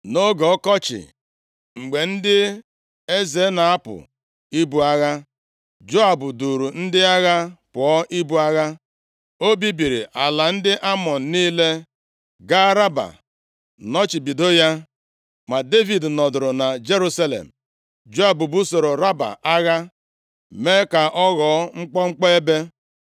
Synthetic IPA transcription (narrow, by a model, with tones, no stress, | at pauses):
no˦ɡɔ˨ɔ˦kɔ˦t͡ʃɪ̰˨ | ŋ͡m̩˨ɡ͡be˨n̩˦dɪ˦ | e˦ze˨˦na˨a˦pʊ̰˨ | i˦bu˨a˦ɣa˦ | d͡ʒo˦a˨bʊ˨du˨ɾu˨n̩˦dɪ˦a˦ɣa˦pʊ˨ɔ˦ʔi˦bu˨a˦ɣa˦ | o˦bi˦bi˨ɾi˨ʔa˨la˨n̩˦dɪ˦ʔa˦mɔ˨n̩˨niː˦le˦ | ɡa˦ɾa˦ba̰˨ | nɔ˦t͡ʃi˨bi˨do˦ja˦ | ma˨de˦vi˨dnɔ˨dʊ˨ɾʊ˨na˨d͡ʒe˦ɾu˦sa˦lḛ˨m̩˨ | d͡ʒo˦a˨bu˨bu˦so˨ɾo˨ɾa˦ba̰˨ʔa˦ɣa˦ | me˦ka˨ʔɔ˦ɣɔ˨˦ŋ͡m̩˦k͡pɔ˦ŋ͡m̩˦k͡pɔ˦e˦be˦